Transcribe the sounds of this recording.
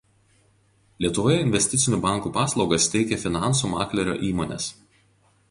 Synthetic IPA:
lʲiɛt̪ʊʋoːjɛɪnʲʋʲɛsʲt̪ʲɪt̪sʲɪnʲuːbɑˑŋˑkuːpɑːslˠɒʊɡɐst̪ʲɛɪkʲɛfʲɪnɑˑnsuːmɑ̰ːklʲɛɾʲo̰ːʔiːmoːnʲɛ̰s

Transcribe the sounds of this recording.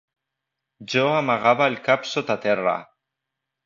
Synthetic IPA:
d͡ʒoamaɣaβaelkapsot̪at̪era̰

